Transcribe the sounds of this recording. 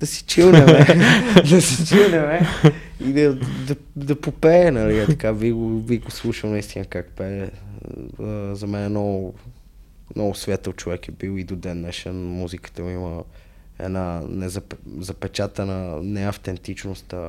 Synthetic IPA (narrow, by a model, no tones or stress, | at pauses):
d̪̥ɐsi̥t͡ʃilˠnɛmɛd̪ɐsit͡ʃilˠnʲɛmɛid̪ɐd̪ɐ | d̪ɐpopɛːnɐliɛt̪ɐkaviɡoviɡoslˠuʃəwˠnɐist̪inəkakpɛ | zɐmɛnɛnɔɡʊ | nɔɡʊsvʲat̪əlt͡ʃovɛkɛbilid̪od̪ɛnːɛʃɛnmuzikə̥t̪əimə | ɛ̰nanɛzɐpɛzɐpɛt͡ʃat̪ənənɛɐft̪ɛnt̪it͡ʃnost̪ə